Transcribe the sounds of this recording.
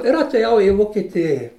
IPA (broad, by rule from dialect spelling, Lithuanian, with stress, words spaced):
ɪr ɐtʲeːˈjɛʊ ɪ ʋoːkʲɪˈtʲeːjɪ